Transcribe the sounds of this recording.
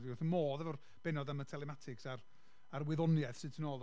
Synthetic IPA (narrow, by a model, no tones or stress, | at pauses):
diʊθənmoːðɛvɔr | b̥ɛnɔdamətʰɛlˠɛmatʰɪksar | aɾwɪðɔnjɛθsɨtʰənoːlˠ